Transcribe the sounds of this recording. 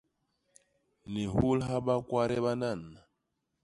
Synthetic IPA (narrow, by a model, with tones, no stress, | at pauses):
ni˨hu˦lɦa˦ba˦kwa˦ɾɛ˦βa˦na˦˨nːa˨